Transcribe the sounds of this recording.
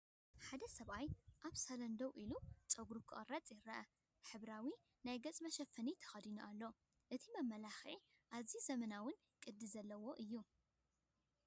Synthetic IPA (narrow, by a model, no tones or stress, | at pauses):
ħad̪ɐsɐβajʔaβsalɐnd̪owʔilut͡sʼɐɡɾukʰɨʔʼɐrat͡sʼjɪɾːɐʔɐ | ħɨβɾawi | najɡɐt͡sʼmɐʃɐfɐnit̪ʰɐ̥xɐd̪inuʔalːo̞ | ʔɨt̪ʰimɐmːɐlaxi | ʔaβzizɐmɐnawʊn | kʼɨd̪ːɨzɐlːɐwo̞ʔɨjːu